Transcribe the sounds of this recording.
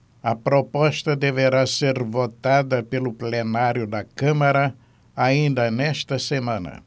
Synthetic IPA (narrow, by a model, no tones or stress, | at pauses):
ɐpɾopɔʃt̪ɐd̪eveɾaseɾvot̪ad̪ɐpelʊplenaɾjʊd̪ɐkɐ̃mɐɾɐ | aĩnd̪ɐnɛʃt̪ɐsemɐ̃nɐ̰